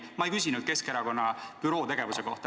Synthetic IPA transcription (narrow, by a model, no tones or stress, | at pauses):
mɑejkysʲinud̪̥̚ke̞skeɾɑko̞nːɑpyɾo̞ːt̪e̞ɡ̥e̞vuse̞ko̞ht̪ɑ